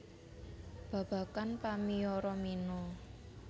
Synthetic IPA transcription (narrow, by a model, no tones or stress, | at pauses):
b̥ä̤b̥ä̤kanpamiɔɾɔminɔ